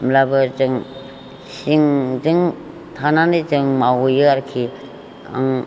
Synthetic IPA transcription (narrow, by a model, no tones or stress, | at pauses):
mlabɯzɯŋ | siŋzɯŋ | tʰananɯzɯŋmawojɯaɾkʰi | a̰ŋ